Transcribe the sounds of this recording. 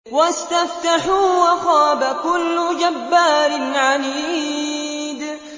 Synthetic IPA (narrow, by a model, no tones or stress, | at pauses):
wast̪aft̪aħuːwaxaːbakʊlːʊd͡ʒabːaːɾɪnʕaliː | d̪